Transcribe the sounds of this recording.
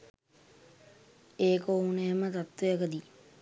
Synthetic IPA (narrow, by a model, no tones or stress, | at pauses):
eːkouneəmət̪at̪ʋejəkəd̪i